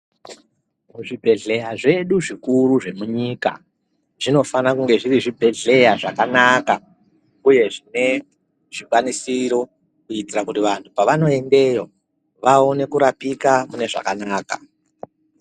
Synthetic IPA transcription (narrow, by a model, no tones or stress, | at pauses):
muʐibʱe̞ɮe̞jaʐe̞ɗuʐikuɾuʐe̞muɲiːka̰ | ʐ̥ino̞fanakuŋɡe̞ʐiriʐibʱe̞ɮe̞jaʐakanaka | uje̞ʐine̞ | ʐ̥ikwanisiɾo̞ | kuitirakutiʋantʰupaʋano̞e̞nde̞jo̞ | ʋaone̞kuɾapikamune̞ʐa̰kanaːka̰